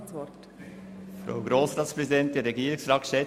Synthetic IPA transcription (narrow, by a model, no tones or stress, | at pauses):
ʋɔt | fɾa̰ʊɡɾoːsɾɑːtspɾɛzidɛnt̚d̥eːɾɾɛɡiːɾɪŋsɾɑːtʃɛ